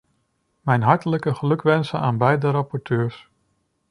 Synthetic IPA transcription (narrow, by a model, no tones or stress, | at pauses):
mɛjnɦɑɹtələkəχəlɵkʋɛnsənaːnbɛjdəɾɑpɔɹtʰøːɹs